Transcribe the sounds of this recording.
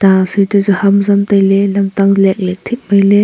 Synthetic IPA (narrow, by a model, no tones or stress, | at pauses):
t̪asɯjtɯzɯhamzamt̪ajlɛlɐmtaŋlɛk̚lɛk̚t̪ʰik̚majlɛ